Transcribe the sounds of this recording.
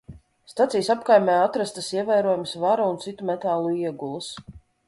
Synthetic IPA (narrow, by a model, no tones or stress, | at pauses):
st̪at̪sijsapkajmʲɛːat̪ɾast̪əsiɛvæjɾuɔjmsvaɾaunt̪sit̪umɛt̪aːlˠuiɛɡulˠus